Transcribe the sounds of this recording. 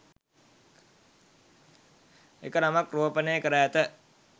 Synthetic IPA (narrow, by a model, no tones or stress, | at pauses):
ḛkənamakruopəneːkəɾəæt̪ə